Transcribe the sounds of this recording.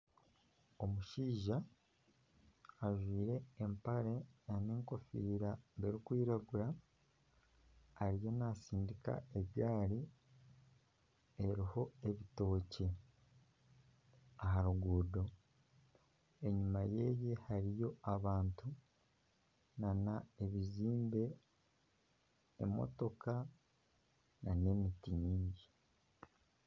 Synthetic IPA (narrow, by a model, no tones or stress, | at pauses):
o̞muʃiːʒa | ʒwiːɾe̞ːmpaɾe̞aneːŋko̞fiɾaβeɾikwiːɾaɡuɾa | ɾijo̞nasiːndika̰e̞βjaːɾi | e̞ɾiho̞e̞βito̞ːce | aɦaɾuɡuːdo̞ | e̞ɲumaje̞je̞haɾijo̞aβaːntu | nanaeβiziːmbe̞ | mo̰to̞ka | nane̞mitiɲiːɲɟi